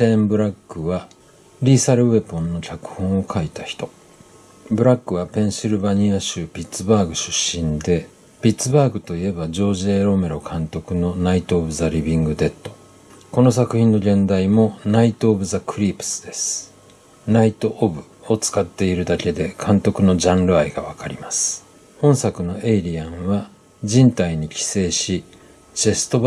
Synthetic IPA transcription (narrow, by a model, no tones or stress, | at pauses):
tẽ̞mbɯ̟ɾakːɯ̟βa | ɾʲiːsaɾɯ̟βe̞põ̞nːo̞kʲakɯ̟̥hõ̞ɰ̃o̞kʰait̪açi̥t̪o̞ | bɯ̟ɾakːɯ̟β̞apẽ̞ɰ̃siɾɯ̟baɲ̟iaɕɨːpʲit͡sɨbaːɡɯ̟ɕɨ̥ɕːĩnd̪e̞ | pʲit͡sɨbaːɡɯ̟t̪o̞ie̞bad͡ʑo̞ːʑieːɾo̞me̞ɾo̞kʰãnt̪o̞kɯ̟no̞nait̪oːbɯ̟zaɾʲibʲĩŋɡɯ̟d̪e̞t̪ːo̞̥ | ko̞no̞sakɯ̟çĩnːo̞ɡẽ̞nd̪aimo̞nait̪o̞ːbɯ̟zakʰɯ̟ɾʲiːpɯ̥sɨ̥d̪e̞sɨ̥ | nait̪o̞ʔːbɯ̟o̞t͡sɨ̥kat̪ːe̞iɾɯ̟d̪ake̞d̪e̞kʰãnt̪o̞kɯ̟no̞ʑãnɾɯ̟aiɡaβ̞akaɾʲimasɨ̥ | õ̞ɰ̃sakɯ̟no̞ʔeiɾʲiãɰ̃βa | d͡ʑĩnt̪aiɲ̟ikʲi̥se̞ːɕi | d͡ʑe̞sɨ̥t̪o̞b